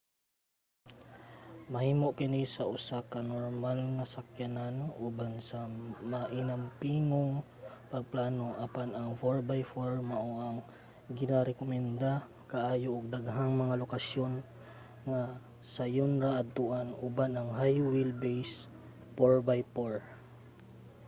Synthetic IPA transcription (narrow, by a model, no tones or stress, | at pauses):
mɐhiːmoʔkɪnisɐʔʊsakɐnoɹmalŋɐsɐkjananʔubansɐmaʔɪnampiːŋoŋ | pɐɡ̚plaːnoʔɐpanɐŋfoɹbajfoɹmɐʔoʔaŋ | ɡɪnaɾɛkomɛnd̪a | kaʔaːjoʔʊɡ̚d̪ɐɡɦaŋmɐŋalokɐsjon | ŋa | sɐjonɾaʔɐt̪uʔanubanɐŋɦajwilbejs | poɹbajpoɹ